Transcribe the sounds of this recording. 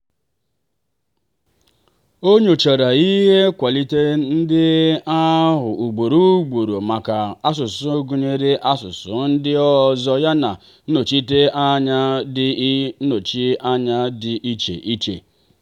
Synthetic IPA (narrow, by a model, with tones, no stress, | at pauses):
o˦ɲo˨t͡ʃa˨ɾa˨i˦ɦe˦kʷa˨li˦te˦n̩˦dɪ˦a˦ɦʊ˨ʔu˨ɡ͡bo˨ɾu˦ɡ͡bo˨ɾo˨ma˨ka˨a˦s̬ʊ˨sʊ˦ɡu˨ɲe˦ɾe˦ʔa˦sʊ˨sʊ̰˨n̩˦dɪ˦ɔ˦zɔ˦ja˦na˨ | n̩˦no˨t͡ʃi˦te˦a˦ɲa˦dɪ˦no˨t͡ʃi˦a˦ɲa˦dɪ˨ʔi˦t͡ʃḛ˨ʔi˦t͡ʃḛ˨